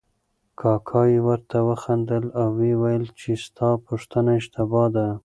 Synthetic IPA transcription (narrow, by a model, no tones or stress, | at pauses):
kʰɑkʰɑjewəɾt̪awəxand̪əlawːewajəlt͡ʃest̪ʰɑpuʂt̪ənaɪʃt̪ɪbɑd̪a